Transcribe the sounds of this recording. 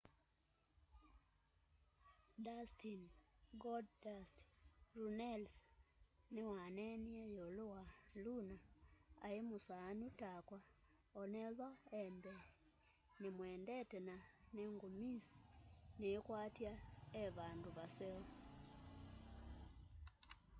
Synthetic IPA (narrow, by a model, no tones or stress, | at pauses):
dastinɡɔddastɾunɛls | newanɛniɛjolowalunaa̰emosaːnutakwa | ɔnɛðaɛmbɛ | nemwɛːndɛtɛnaneŋɡomisi̥neekwatjaeβanduβasɛɔ